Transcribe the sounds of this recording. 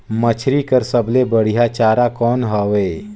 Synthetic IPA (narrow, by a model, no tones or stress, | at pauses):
mət͡ʃʰɾikɐɾsɐblebɐɽ̤ijat͡ʃaːɾakɔːnɦɔːʋeː